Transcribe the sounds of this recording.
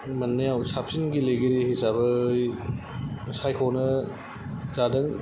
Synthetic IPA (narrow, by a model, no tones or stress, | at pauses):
mɐnːejawsapsinɡilejɡeɾihizabɐj | sajkʰonɐ | zadɐn